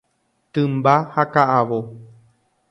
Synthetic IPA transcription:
t̪ɨ̃mbahakaʔaʋo

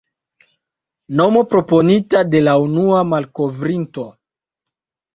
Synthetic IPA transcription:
no̞mo̞pɾo̞po̞nitade̞launuamalko̞vɾinto̞

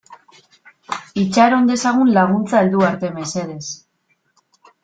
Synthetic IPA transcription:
it͡ʃaɾo̞nd̪e̞saɣ̞unlaɣ̞unt͡saeld̪uaɾt̪e̞me̞se̞ðe̞s

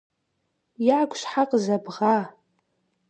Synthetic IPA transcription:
jʕakʷʰʼʃħaqʼzabʁa

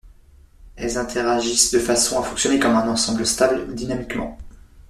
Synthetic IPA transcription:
ɛlzɛ̃t̪ʰeʁaʒisd̪əfasɔ̃afɔ̃ksjɔnekɔmɛ̃nɑ̃sɑ̃bləst̪abld̪inamikmɑ̰̃

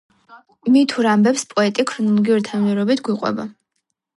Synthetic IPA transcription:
imit̪ʰuɾambɛpspʼɔɛt̪ʼikʰɾɔnulˠɔɡiuɾit̪ʰaniɛɾɔbit̪ʰɡwiqʼwɛ̰ba

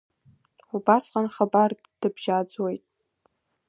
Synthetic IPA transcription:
ħubasqʼanχabar | d̥ɨbʒad͡zwejtʼ

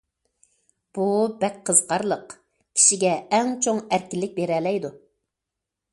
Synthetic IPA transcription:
b̥ubɛk̚ʲqʰːəzqʰɑɾlˠəq | kʲʰi̥ʃiɡʲɛɛŋt͡ʃʰoŋæɾkʲɪlːɪk̚ʲbeɾɛlɛjd̪u

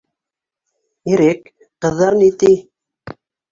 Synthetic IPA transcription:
iɾɘk | qɤ̆ðːɑɾnit̪i

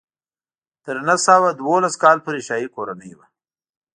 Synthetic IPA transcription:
t̪əɾnasawad̪wolaskɑːlpəɾiʃɑjikoɾanəjwa

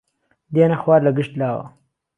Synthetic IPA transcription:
d̪enaxwɑːɾlaɡɪʂt̪laːwa̰

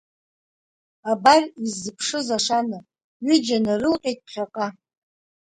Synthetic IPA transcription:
abarizːɨpʰʂɨzaʂanɨ | ɥɪd͡ʒanarɨlqʲʼejt̚ʼχʲaqʼa

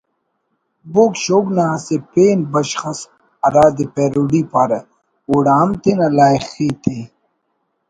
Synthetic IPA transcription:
bokɕoːɡnaɐsepeːnbɐɕxɐs | ɐɾaːd̪ipeːɾuɽiːpaɾɐ | uɽaːmt̪enɐlaːjxiːt̪e

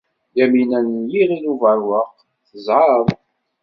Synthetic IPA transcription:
jæminænjiʁinuvəɾwəʁ | θəzʕəðˤ

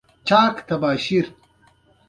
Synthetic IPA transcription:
t͡ɕaːkt̪ɐbaːɕiɾ

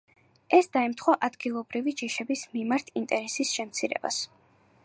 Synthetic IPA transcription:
ɛsd̪aɛmt̪ʰχwaʔad̪ɡilˠɔbɾivid͡ʒiʃɛbismimaɾt̪ʰint̪ʼɛɾɛsisʃɛmt̪sʰiɾɛ̰ba̰s

